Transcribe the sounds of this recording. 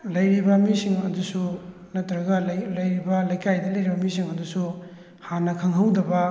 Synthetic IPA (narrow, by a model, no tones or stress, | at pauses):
lɐjɾibɐmisiŋɐdusu | nɐtɾɐɡɐllɐjɾibɐlɐjkajdɐlɐjɾibɐmisiŋɐdusu | hanɐkʰɐŋɦɐwdɐbɐ